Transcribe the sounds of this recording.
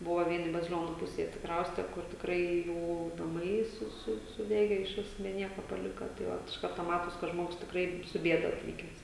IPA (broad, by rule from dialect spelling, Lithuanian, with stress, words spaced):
ˈbʊʋoː ˈʋʲiɛnʲɪ bɐzʲɪˈlʲoːnʊ ˈpʊsʲeːj ɐtʲsʲɪˈkrɐʊsʲtʲɛ kʊr tʲɪkˈrɐɪ ˈjuː nɐˈmɐɪ ˈsʊ ˈsʊ sʊˈdʲæːɡʲɛ ɪʃ ˈʋʲɪs bʲɛ ˈnʲiɛkoː pɐˈlʲɪkɐ tɐɪ ˈʋɐt ɪʃ ˈkɐrtoː ˈmɑːtoːs kɐ ˈʒmoːɡʊs tʲɪkˈrɐɪ sʊ ˈbʲiɛdɐ ɐtʲˈʋʲiːkʲɛs